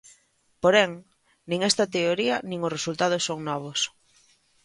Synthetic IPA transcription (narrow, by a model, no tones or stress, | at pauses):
poɾɛŋ | nĩŋest̪ɐt̪eoɾiɐnĩŋʊsresult̪aðʊsːoŋnɔβ̞ʊs